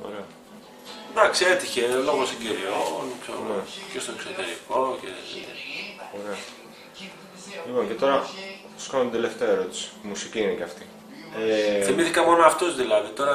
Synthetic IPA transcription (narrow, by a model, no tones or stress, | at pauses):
o̰ɾeɐ | d̪ɐksiet̪içe̞lo̞ɣosiɟiɾiolukseɾunecest̪o̞eksot̪eɾikocḛ | oɾe̞ɐ | lipo̞ŋce̞t̪o̞ɾɐ | skanont̪od̪ele̞ft̪eɐeɾo̞t̪i̥se̥musiciineceɐft̪i | eθimiθikɐmo̞noɐft̪ozðilɐðit̪o̞ɾɐ